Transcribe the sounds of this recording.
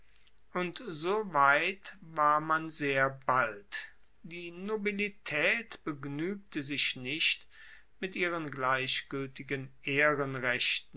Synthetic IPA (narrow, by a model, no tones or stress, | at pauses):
ʔʊntzoːvaɪtvaːɐmanzeːɐbalt | d̥iːnobilitʰɛːtb̥əɡnyːk̚təzɪçnɪɕt | mɪtʔiːʁənɡlaɪɕɡ̥ʏltɪɡənʔeːʁənʁɛɕtn̩